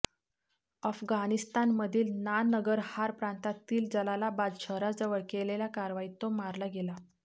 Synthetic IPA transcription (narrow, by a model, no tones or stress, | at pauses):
əfɡanist̪anməd̪ʱiːlnanəɡəɾhaɾpɾant̪at̪iːld͡zəlalabad̪ɕəɾad͡zəʋəɭkeleljakaɾʋait̪omaɾlaɡela